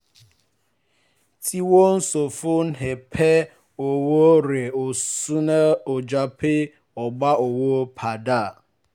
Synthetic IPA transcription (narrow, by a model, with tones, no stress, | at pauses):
tʰi˦wo˦n̩˦so˨fʊ˦n̩˦ɦe˨pʰe˦ | o˨wo˦ɾe˨o˨su˦na˦o˨d͡ʒa˨pɪ˦ | ɔ˨ɡ͡ba˦o˨wo˦pʰa˨da˦˨